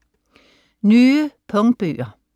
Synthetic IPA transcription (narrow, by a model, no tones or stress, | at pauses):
nʉːəpʰɔŋbʉːɑ